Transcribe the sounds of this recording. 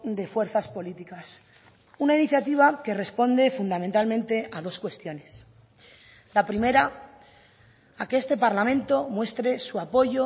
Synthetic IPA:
d̪e̞fwe̞ɾθaspo̞lit̪ikas | unainiθjat̪iβ̞ake̞re̞spo̞nd̪e̞fund̪ament̪almẽ̞nt̪e̞aðo̞skwe̞st̪jo̞ne̞s | lapɾime̞ɾa | akeest̪e̞paɾlamẽ̞nt̪o̞mwe̞st̪ɾe̞suapo̞ʝo̞

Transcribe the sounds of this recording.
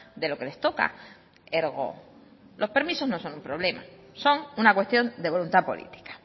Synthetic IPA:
d̪e̞lo̞ke̞le̞st̪o̞ka̰ | eɾɣo̞̰ | lʔo̞spe̞ɾmiso̞zno̞so̞numpɾo̞β̞lema̰so̞ŋunakwe̞st̪jo̞nd̪e̞β̞o̞lunt̪apo̞̰lḭt̪i̥kḁ

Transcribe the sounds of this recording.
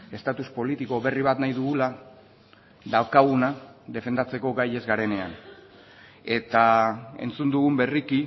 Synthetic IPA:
e̞st̪at̪uspo̞lit̪iko̞βe̞riβ̞at̪najðuɣula | d̪awkaɣunaðe̞fe̞nd̪at͡se̞ko̞ɣaje̞zɣaɾe̞ne̞an | e̞t̪ae̞̰nt͡sund̪uɣumbe̞riki

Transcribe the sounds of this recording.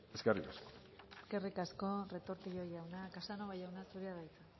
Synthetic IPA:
eskerikasko̥e̥ske̞rikasko̞re̞t̪o̞ɾt̪iʎo̞jawnakasano̞βajawnasuɾiaðajt͡sa

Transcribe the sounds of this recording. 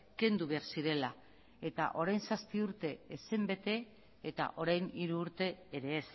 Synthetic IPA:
ke̞nd̪uβe̞aɾsiɾe̞la | e̞t̪a̰ʔo̞ɾajnsaspiuɾt̪e̞esembe̞t̪e̞ | et̪a̰ʔo̞ɾajniɾuːɾt̪e̞ːɾe̞ːs

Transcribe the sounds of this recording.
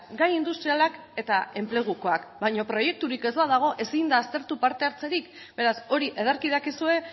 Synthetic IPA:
ɡajind̪ust̪ɾialak | e̞t̪ae̞mple̞ɣ̞uko̞akbajɲopɾo̞je̞k̚t̪uɾike̞zbaðaɣ̞o̞ʔe̞sind̪aːst̪e̞ɾt̪upaɾt̪e̞aɾt͡se̞ɾik | b̥e̞ɾaso̞ɾiʔe̞ðoɾkiðakisue̞

